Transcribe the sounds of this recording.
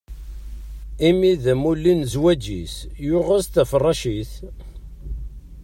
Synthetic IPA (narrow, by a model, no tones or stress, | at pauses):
imiðmulːinzwæd͡ʒisjʊʁazθæfərˤːɑʃiθ